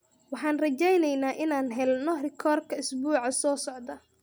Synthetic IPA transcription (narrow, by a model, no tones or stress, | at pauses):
wɑħɑːnrɐt͡ʃɛjnɛjnaːʔɪnaːnɦɛlnɔrɪkʰɔːrkʰɐɪsbuːʕɑsɔːsɔʕd̪ɐ